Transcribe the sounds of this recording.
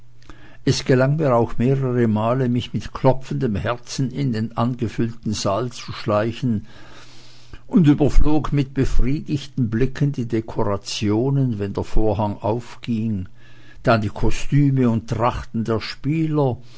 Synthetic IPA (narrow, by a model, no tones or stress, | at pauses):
ʔɛsɡ̥əlaŋmiːɐaʊxmeːʁəʁəmaːləmɪçmɪtkʰlɔp͡fən̩dəmhɛɐt͡sn̩ɪndeːnʔanɡəfʏltn̩zalt͡suʃlaɪçn̩ | ʔʊndyːbɐfloːkmɪt̚b̥əfʁ̥iːdɪçtn̩blɪkʰəndiːdekʰoʁat͡sjoːnənvɛndeːɐfoːɐɦaŋaʊfɡ̥ɪŋ | d̥andiːkʰɔstyːməʊnttʁ̥aχtn̩deːɐʃpiːlɐ